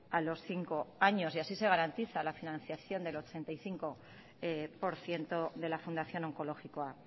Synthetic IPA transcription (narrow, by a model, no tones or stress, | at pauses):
alo̞sθiŋko̞aɲo̞siasise̞ɣ̞aɾant̪iθalafinãn̟θjaθjo̞nd̪e̞lo̞t͡ʃe̞nt̪ajθiŋko̞ | epo̞ɾθje̞nt̪o̞ðe̞lafund̪aθjo̞no̞ŋko̞lo̞xikoa